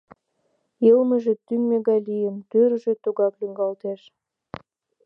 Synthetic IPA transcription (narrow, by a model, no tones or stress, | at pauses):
jəlməʒĕt̪ymmeɣɑjlijəmt̪øɾəʒet̪uɣɑklyŋɡɑlt̪eʃ